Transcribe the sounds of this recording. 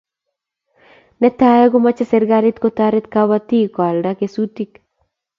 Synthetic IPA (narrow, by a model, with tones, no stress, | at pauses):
nɛ˦t̪a˦ɛ˦ɡo˦ma˦t͡ʃe˦se˦ɾɡa˦ɾet̪ko˦t̪aɾe˦t̪kaba˦t̪i˦ka˨lda˦kesutik